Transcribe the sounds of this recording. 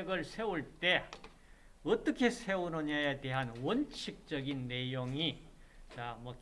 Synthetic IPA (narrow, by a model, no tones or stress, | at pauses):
ɡɯɭsʰe̞uɭt͈e̞ | ʌt͈ʌkʰe̞sʰe̞unʌɲajete̞ɦanwʌnt͡ɕʰik̚t͡ɕ͈ʌɡinːe̞joŋit͡ɕamʌk